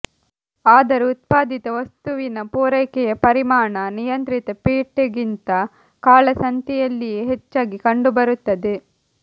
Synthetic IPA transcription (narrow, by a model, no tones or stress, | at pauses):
aːd̪ɐɾuut̪̚paːd̪it̪ɐʋɐst̪uʋinɐpuːɾɐjkɛjɐpɐɾimaːɳɐnijɐnt̪ɾit̪ɐpiːʈːeɡint̪ɐ | kaːɭɐsɐnt̪jɛjɐlːijeɦet͡ʃːaːɡikɐɳɖubɐɾut̪ːɐd̪e